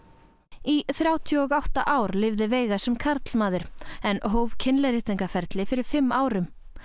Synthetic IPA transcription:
iθɾjaːwt̪ʰjɔɔɣawht̪aʔaːwɾlɪvðɪveːjɣasɛmkʰaɾt̪l̥maːðʏɾ̥ɛnɦoːwvcʰɪnlɛɾɪht̪aŋkafɛɾt̪lɪfɪɾɪɾ̥fɪmːaːwɾʏm

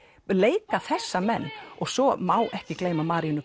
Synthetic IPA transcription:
leːjkaθɛsːamɛnːɔɣsɔmaːwʔɛhcɪkleːjmamaːɾiʏnʏ

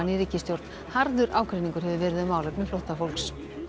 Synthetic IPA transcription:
nɪɾicːɪst̪jowɾt̪n | haɾðʏɾʔaːwkʰɾeniŋkʏɾɦɛvʏvɛːɾɪðʏmaːwlɛkmɪflowht̪afolks

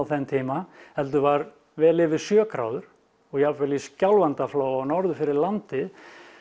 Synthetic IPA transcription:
wθɛnt̪ʰiːmahɛlt̪ʏvaːɾ | vɛːlɪvɪsjœːkɾa̰ːwðʏɾ̥ | ɔɣjafɛliscawlvant̪afloːwawnɔɾðʏfɪɾɪɾlant̪ɪ

